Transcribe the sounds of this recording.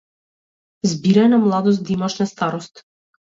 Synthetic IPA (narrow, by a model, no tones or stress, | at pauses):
zbiɾɛnamlˠad̪ɔsd̪imɔt͡ʃnast̪aɾɔst̪